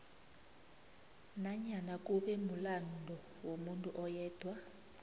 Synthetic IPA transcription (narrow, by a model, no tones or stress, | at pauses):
naɲanak̬ʼuɓɛmulandʱɔ | womuntʼuʔɔjɛːd̥ʱwa